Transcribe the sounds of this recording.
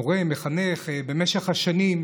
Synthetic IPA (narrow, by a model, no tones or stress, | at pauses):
oʁemeχaneχbe̞meʃeχhaʃanim